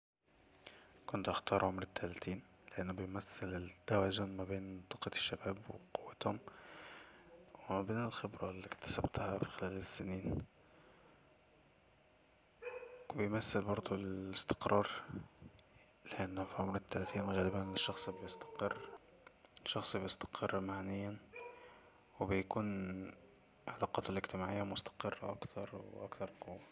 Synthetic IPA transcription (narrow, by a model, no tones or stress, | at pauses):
kont̪ʔaxt̪ɑːɾˤʕomɾɪt̪ʰːælæt̪iːn | leʔenːʊbejmæθːelt̪ːæwæːzʊnmæbeːnt̪ˤːɑqːɑ̥ʃːæbæːbwḛqowːæt̪hom | wwemæbeːnelxebɾɑlːiːkt̪æ̥sæbt̪hæfi̥xelæːlesːeniːn | bejmæsːɪlbɑɾˤd̪ˤuɪst̪ɪ̥qɾˤʔɑːɾˤ | leʔenːhfiʕomɾɪt̪ːælæt̪iːnɣæːlɪbæneʃːɑxsˤbejest̪ɑ̥qerː | ʃːɑxsˤbejest̪ɑ̥qʰɑrˤːmaʕnɪjːæn | webɪjkuːn | ʕalɑːqɑːt̪elʔɪɡt̪ɪmaːʕejːamʊst̪ɑ̥qerˤːɑ̰ʔɑ̰kt̪ʰɑɾˤw̰ʔækt̪ɑɾˤqowːa